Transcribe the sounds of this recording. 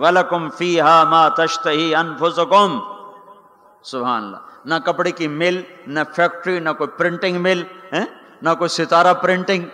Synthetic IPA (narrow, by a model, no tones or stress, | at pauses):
wɐlɐkʊmfiːɦaːmaːt̪ɐʃt̪ɐɦiːʔɐnfʊsʊkʊm | sʊbɦa̰ːnɐlːa̰ːnɐkɐpɽekimɪlnɐfʰɛːk̚ʈɾinɐkoːipɾɪ̃ɳʈɪ̃ŋɡmɪlɦɛ̃ | nɐkoːisɪt̪aːɾapɾɪ̃ɳʈɪ̃ŋɡ